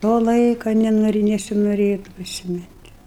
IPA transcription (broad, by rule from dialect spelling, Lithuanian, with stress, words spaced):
ˈtoː ˈlˠɐɪkoː nʲɛˈnoːrʲɪ nʲɛsʲɪnoːˈrʲeːtʊ pʲrʲɪsʲɪˈmʲɪnʲtʲ